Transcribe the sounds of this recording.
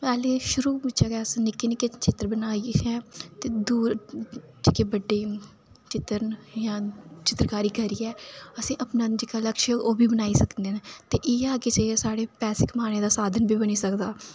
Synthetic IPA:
pɛːleːʃʊɾuːbɪt͡ʃaːɡɛːsĩːnɪkːeːnɪket͡ʃɪt̪ːəɾbənaːiːɛːt̪eːd̪uːɾ | d͡ʒɪkeːbəɖːeː | t͡ʃɪt̪əɾnjãːt͡ʃɪt̪ɾkaːɾiːkəɾiːɛːəsĩːʔəpnaːd͡ʒɪkaːləkʃoːbiːbənaːiːsəknd̪eːneːt̪eːʔeːaːket͡ʃesaːɽeːpɛːsɪkmaːneːd̪aːsaːd̪ʱənbiːbəniːsəkd̪aː

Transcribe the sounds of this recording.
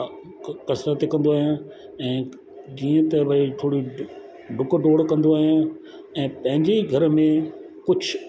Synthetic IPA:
kɐsɾat̪ekɐ̃nd̪oaːɦjã | ɛ̃ː | d͡ʑiːə̃t̪ɐbɐiʈʰoːɽi | ɖʱʊkɖoːɽkɐ̃nd̪oaːɦijã | ɛ̃ːpɐ̃ɦɪ̃ɲd͡ʑeɡʱɐɾmẽ | kʊd͡ʑʰʱ

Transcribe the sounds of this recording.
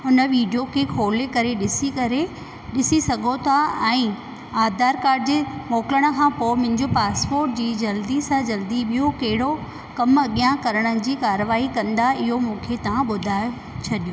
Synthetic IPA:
ʊnə̆ʋiːɖijokʰeːkʰoːlekɐɾeɗɪsiɐɾe | ɗɪsisɐɡʱot̪ʰaɛ̃ː | aːd̪ʱaːɾkaːɾd͡ʑeːmoːkləɽ̃ə̆kʰãːpoːmʊ̃ɦɪ̃ɲd͡ʑopaːspoːɾʈ̚d͡ʑiːd͡ʑɐld̪isãd͡ʑɐld̪iɓijokɐɦɪɽo | kɐmɐɠijãkɐɾəɽ̃əd͡ʑiːkaːɾəʋaːɦikɐ̃nd̪aɪɦomũːkʰet̪ɐʋ̤ãɓʊd̪ʱaːo | t͡ɕʰɐɗijo

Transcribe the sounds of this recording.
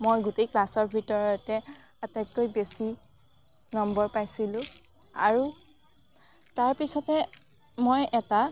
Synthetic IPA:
mojɡutejklasɔɹbʱitɔɹɔtɛ | atajt̚kojbesi | nɔmbɔɹpajsilʊ̃ | a̰ɹu | taɹpisɔtɛ | mojʔɛta

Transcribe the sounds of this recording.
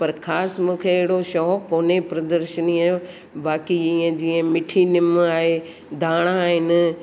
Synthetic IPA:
pɐɾkʰaːsmũːkʰeːɦɪɽoʃɔːɦkoːnepɾɐd̪əɾʃəniaːjo | baːkiiə̃d͡ʑiːə̃mɪʈʰinɪmaːɦe | d̪ʱaːɽ̃aːɦɪnɪ̆

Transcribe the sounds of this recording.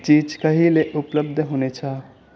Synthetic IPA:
t͡ʃiːd͡ʒkəɦileʔʊpləb̚d̪ʱɦonet͡ʃʰa

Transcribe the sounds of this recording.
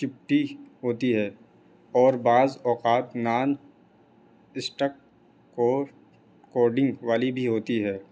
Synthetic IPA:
kɪp̚ʈiɦoːt̪iɦɛː | ɔːɾbaːzɔːqaːt̪naːn | ɪsʈək̚ː | koːɾɖɪ̃ŋɡʋaːlibʱiɦoːt̪iɦɛː

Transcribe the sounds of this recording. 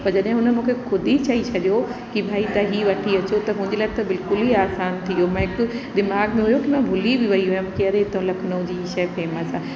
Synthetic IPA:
pɐɾd͡ʑɐɗɦɪ̃ɦʊnəmũːkʰexʊd̪ʱit͡ɕaːit͡ɕʰɐʄjokibʱaːit̪ɐɦiʋɐʈʰiɐt͡ɕot̪ɐɦʊ̃ɦɪ̃ɲd͡ʑelat̪ɐbɪlkʊlɦiaːsaːnt̪ʰiomãɦɪkʊd̪ɪmaːɡmẽɦʊjokimãbʱʊlibɪʋɐiɦʊjʊmkiɐɾeɦɪt̪õlɐkʰnəũd͡ʑiɦiːʃɐːfeːməsã

